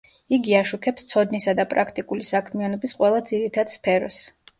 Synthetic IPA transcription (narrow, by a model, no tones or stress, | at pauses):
iɡiaʃukʰɛpst̪sʰɔd̪nisad̪apʼɾakʰt̪ʼikʼulisakʰmianɔbisqʼwɛlˠad̪ziɾit̪ʰad̪̥spʰɛɾɔs